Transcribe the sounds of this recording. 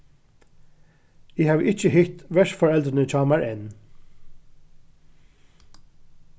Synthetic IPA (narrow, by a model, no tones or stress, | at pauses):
iːhɑːʋʔɪt͡ʃəɦɪht̪ʋɛʂfɔɹɛld̪ɾənət͡ʃʰɑːmæɹʔɛn